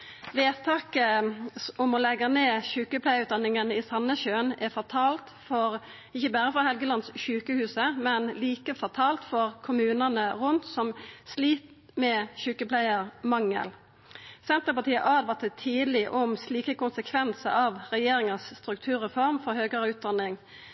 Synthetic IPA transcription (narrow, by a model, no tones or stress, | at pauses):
ʋeːt̪ʰɑːkə | ɔmɔlɛɡəneːʃʉːkəpʰlæɪəʉt̪̚d̪ɑnːɪŋənəisɑnːəɕøːnɛfɔt̪ʰɑːlt̪fɔɾ | ɪçəbæːɾəfʁɑhɛlɡəlɑnsʃʉːkəhʉːsəmɛnliːkəfɔʁt̪ʰɑːlt̪fɔɾkʰʊmʉːnənəʁʊnt̪sɔmsliːt̪ | mɛːçʉːkəpʰlæɪəɾmɑŋːə̰l | sɛnt̪əpɑt̪ʰiːəʔɑːd̪ʋɑt̪ʰət̪ʰiːd̪lɪʔɔmsliːkəkʊnsəkʰʋɛnsəɾɑʋɾɛjeːɾɪŋəsst̪ɾʉk̚t̪ʰʉːɾɛfɔɾmfɔɾhøːɡəɾəʉːt̪̚d̪ɑnːɪŋ